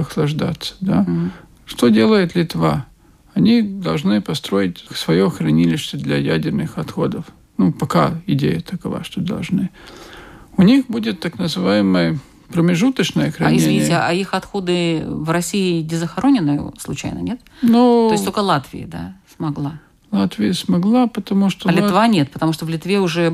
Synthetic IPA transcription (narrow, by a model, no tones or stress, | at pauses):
ɐxlˠɐʐd̪a̰t̪sːə̥d̪a | ʂt̪odʲe̞lˠəjɪt̪lʲɪt̪va | ɐnʲid̪ɐlˠʐnɨpɐst̪ɾo̞jɪtʲsvɐjoxɾɐnʲilʲɪɕt̪ʲəd̪lʲɐjædʲɪrnɨxɐt̪xo̞d̪əf | nupɐkaɪdʲḛjət̪əkɐva̰ʂt̪od̪ɐ̰lˠʐnɨ | ʊnʲixbudʲɪt̪ːaknəzɨvajɪməjə | pɾəmʲɪʐut̪ət͡ɕnəjəxɾɐnɪzʲevʲnʲiɪa̰ixɐt̪xo̞d̪ɨvrɐsʲiɪnʲɪzəxɐɾo̞nʲɪnːɨjʊ̰slˠʊt͡ɕæ̰jnə̰nʲe̞t̪nuosst̪okəlˠat̪vʲɪ̰ɪ̰d̪a̰smɐɡlˠa | lˠat̪vʲɪjəsmɐɡlˠapət̪ɐmuʂt̪olʲɪt̪vanʲet̪̚pət̪ɐmuʂt̪ovlʲɪt̪vʲeʊʐɛ